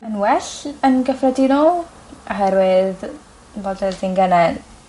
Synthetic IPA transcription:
ənwɛɬənɡəfrɛdinɔlˠ | ɔɦɛɾwɪð | bodɛsinɡənɛd

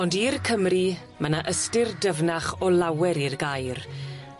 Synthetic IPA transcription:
ɔndiːrkʰəmri | mənaʔəstɪrdəvnaχɔlawɛɾirɡajr

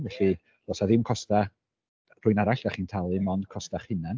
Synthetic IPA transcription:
vɛɬi | lɔsaðɪmkʰɔsta | r̥ʊjnaɾaɬɡ̥aχintʰalˠɨmɔndkʰɔstaχhɨnan

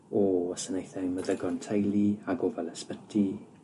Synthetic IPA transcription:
ɔɔsənejθɛməðəɡɔntʰajlˠiaɡɔvɛləspətʰi

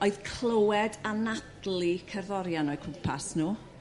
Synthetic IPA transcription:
oɨðkʰlˠowɛdanatlikʰərðɔɾjanɔjkʰʊmpʰasnuː

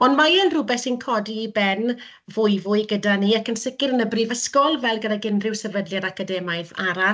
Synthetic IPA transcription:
ɔnmaənrʊbɛsɪnkʰɔdibɛn | vʊɨvʊɨɡədaniakənsɪkɪɾənəbriːvəskɔlˠvɛlˠɡədaɡɪnrɪwsɛvədljaɾakʰadɛmaɨðaɾa

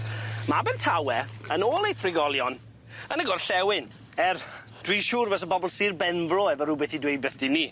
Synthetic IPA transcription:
mabɛntʰawɛənoːlˠejθrɪɡɔlˠjɔn | ənəɡɔrɬɛwɪn | ɛr | d̥wiːʃuːrvɛs̬əbɔbɔlˠsiːrbɛnvlɔɛvɔɾʊbɛθidwejd̚bɛθd̥ini

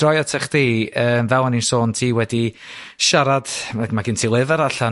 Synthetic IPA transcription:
rɔjɔtʰɛχdiːəːmvɛlˠaninsoːntʰiːwɛdi | ʃaɾad̥amaɡɪntʰiːlˠɨvəɾaɬa

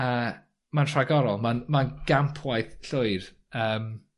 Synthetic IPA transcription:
əː | mantʰraɡɔɾɔlˠmanmanɡ̥ampʰwajθɬʊɨr | əːm

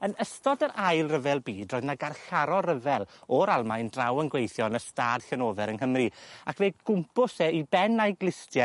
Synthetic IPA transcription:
ənəstɔdəɾʔajlˠrəvɛlˠbiːdrɔːjðnaɡarɬaɾɔrəvɛlˠɔɾalˠmajndrawənɡwejθjɔnəstaːd̥ɬɛnoːvɛɾənhəmriakʰveːɡ̥ʊmpʊsɛibɛnajɡlˠɪstja

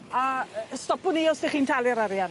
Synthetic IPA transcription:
astɔpʊniɔseχiːntʰalˠjaɾaɾjan

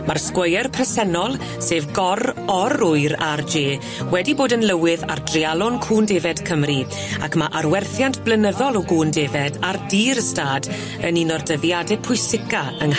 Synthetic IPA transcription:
marskwəjɛrpʰrɛsɛnɔlˠ | seːvɡɔrɔrʊɨɾard͡ʒeː | wɛdiboːdənlˠəwɪða̰rdrialˠɔnkʰuːndeːvɛd̥kʰəmri | akʰmaʔarwɛrθjantʰb̥lənəðɔlˠɔɡuːndeːvɛdardiːɾəstaːd | əninɔrdəvjadɛpʰʊjsɪkaəŋ

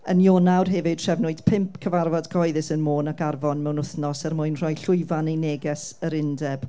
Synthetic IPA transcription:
ənjoːnawrɦɛvɨd̥ʰr̥ɛvnʊɨd̥pʰɪmpʰkʰəvarvɔdɡʰɔjðɪsənmoːnakarvɔnmɛwnʊθnɔsarmʊjnr̥ɔjɬʊɨvanejneːɡɛsəɾɪndɛb̥

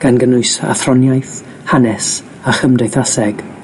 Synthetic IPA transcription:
ɡ̥anɡənʊɨsa̰θrɔnjajθ | hanɛs | aχəmdejθasɛɡ̥

